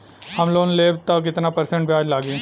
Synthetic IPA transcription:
hɐmloːnleːbt̪ɐk̬ɪt̪napɐɾsẽɳʈbʱiaːd͡ʒlaːɡẽ

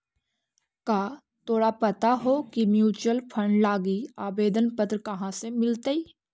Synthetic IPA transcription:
kaː | t̪ʰoːɽapɐt̪aɦokimjuːt͡ʃuwəlpʰə̃ɳɖlaːɡiaːbeːd̪ənpət̪ɾəkɐɦãsemɪlt̪əiː

